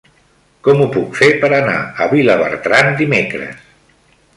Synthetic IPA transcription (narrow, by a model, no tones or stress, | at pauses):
kɔmupukfepəɾəna̰əβiləβə̰ɾt̪ɾand̪imekɾə̰s